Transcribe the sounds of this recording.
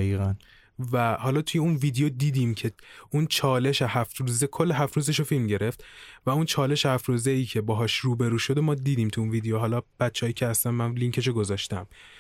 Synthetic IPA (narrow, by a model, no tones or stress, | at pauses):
iːɣæn | væhɒːlɒːt̪ʰujeunviːd̪ejod̪iːd̪iːmcʰe̞unt͡ʃʰɒːle̞ʃehæft̪ɾuːzekʰolːeɦæft̪ɾuːzeʃofilmɟe̞ɾe̞ft̪væunt͡ʃʰɒːle̞ʃehæft̪ɾuːzeiːcʰe̞bɒːɦɒːʃruːbe̞ɾuːʃo̞d̪emɒːd̪iːd̪iːmt̪ʰuunviːd̪ejoɦɒːlɒːb̥æt̪t͡ʃʰːeɒːjiːcʲʰehæst̪ænmænliŋcʰeʃ̬oɡo̞zɒːʃt̪æm